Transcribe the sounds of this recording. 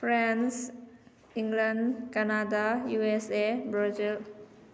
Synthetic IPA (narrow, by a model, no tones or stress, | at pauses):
fɾans | ĩŋɡlanɖkanadajuesebɾɔzil